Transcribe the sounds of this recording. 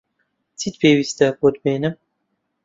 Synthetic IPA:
t͡sʰiːt̪̚pʰeːwist̪ɐbod̪̚beːnɨm

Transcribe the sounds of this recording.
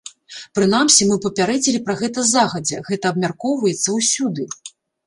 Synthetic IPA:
pɾɨn̪amsʲimɨpɐpʲaɾɛd͡zʲilʲipɾɐɣɛt̪ɐzaɣɐd͡zʲɛɣɛt̪ɐːbmʲarkɔwvɐjɛt̪sːɐwsʲud̪ɨ

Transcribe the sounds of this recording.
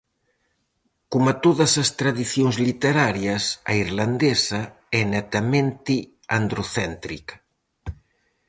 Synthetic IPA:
komat̪oðɐsɐst̪ɾaðiθjonzlit̪eɾaɾjɐsaiɾland̪esɐ | ɛnɛt̪ɐmẽnt̪i | and̪ɾoθɛnt̪ɾik

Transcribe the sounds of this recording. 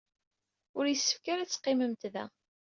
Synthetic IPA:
ʊɾjəsːə̥fkaɾæt͡sːqːɪməmt̪ðæ̰

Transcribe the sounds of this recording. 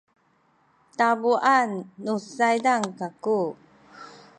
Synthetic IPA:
tabuʔanːusajdaŋkaku

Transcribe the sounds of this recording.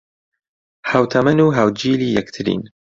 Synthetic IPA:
hawt̪ʰɐmɐnuːɦawd͡ʒiːliːjɛkt̪ʰɨɾḭːn

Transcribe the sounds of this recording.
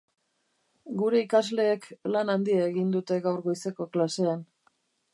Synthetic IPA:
ɡuɾe̞ikazle̞ːklanand̪iaeɣind̪ut̪e̞ɣawɾɣo̞jseko̞klase̞an

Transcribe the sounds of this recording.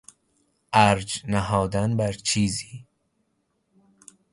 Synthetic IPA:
ʔæɾd͡ʒnæɦɒːd̪ænbæɾt͡ʃʰiːziː

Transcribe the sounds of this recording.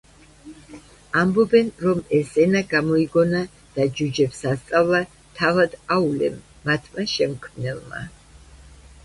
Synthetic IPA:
ambɔbɛnɾɔmɛszɛnaɡamɔiɡɔna | d̪̥ad͡ʒud͡ʒɛpsast̪sʼavlˠa | t̪ʰavad̪aulɛ̰mː | at̪ʰmaʃɛmkʰmnɛlˠma̰

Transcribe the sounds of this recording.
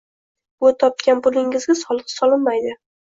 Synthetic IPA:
ɡot̪ʰɒp̚kʲanpʊlɪŋɪzɡʲasɒlˠqsɒlɪnmajd̪ɪ

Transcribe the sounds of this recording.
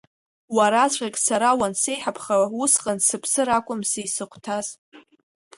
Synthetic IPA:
waɾat͡ɕʷʰʼʁʲekʲʼsaɾawanse̞jħapʰχawʊsqʼansɨpʰsɨɾakʷʼʊmsejsɨqʷʰtʰaz̥

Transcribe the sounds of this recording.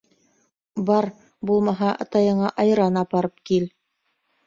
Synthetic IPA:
bɑɾ | bulˠmɑɦɑʔɑ̰t̪ɑjɤ̆ɴɑʔɑjɾɑnɑpɑɾɤp̚kil

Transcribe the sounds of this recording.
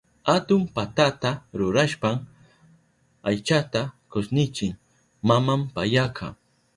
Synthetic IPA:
hat̪ʊmpat̪at̪aɾʊɾaʃpam | ajt͡ʃat̪akosnɪt͡ʃɪŋ | mamampajakʰɑ̰

